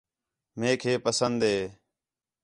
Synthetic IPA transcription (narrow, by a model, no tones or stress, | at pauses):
mẽːkʰeːpəsənd̪eː